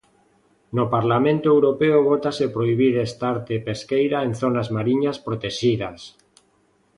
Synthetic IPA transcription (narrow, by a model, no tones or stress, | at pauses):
nopaɾlamẽnt̪oewɾopeoβot̪asepɾoiβ̞iɾest̪aaɾt̪epeskejɾaen̟θonazmaɾiɲaspɾot̪eʃiðas